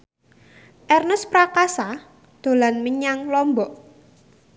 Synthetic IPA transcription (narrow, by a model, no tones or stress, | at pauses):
ʔɛrnəspɾakasa | d̪̥o̤lanməɲaŋlɔmbɔʔ